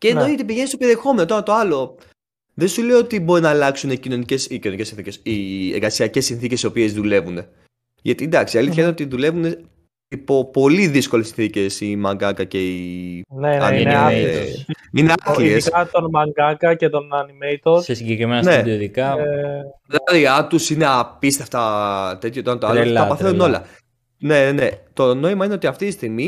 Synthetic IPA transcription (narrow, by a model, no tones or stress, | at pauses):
ceːnojet̪ip̬iʝe̞nist̪opeɾiexo̞menot̪onɐt̪o̞ɐlo̞ | ðensuleoot̪ibo̞ɾinɐːlɐksuneicino̞nicesicino̞nice̞sinθicesieɾɣɐsiɐce̞sinθicesio̞pie̞zðule̞vune̞ | ʝɐt̪ind̪ɐksiɐliθθçɐineot̪iðule̞vune̞ | ipo̞po̞liðisko̞lesinθice̞simɐŋɡɐkɐce̞ineɐ̰ | ineɐkliesɐt̪onmɐŋɡɐkɐcet̪onɐnimeit̪osesiɲɟekɾimenɐsneɐðiot̪ikɐ | ðɐeɾiɐt̪usine̞ɐpist̪eft̪ɐt̪e̞t̪çjot̪ɐnt̪oɐlɐpɐθenuno̞lɐ̰ | ne̞ne̞t̪o̞no̞imɐineot̪iɐft̪it̪ist̪iɣmi